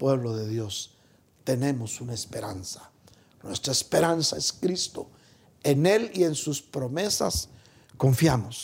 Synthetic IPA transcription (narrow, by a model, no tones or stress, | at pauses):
pwe̞βloðe̞ðjo̞s | t̪e̞ne̞mosunaespe̞ɾansḁ | nwest̪ɾaespe̞ɾansaeskɾist̪o̞ | ene̞lie̞nsuspɾo̞me̞sas | ko̞ɱfjamos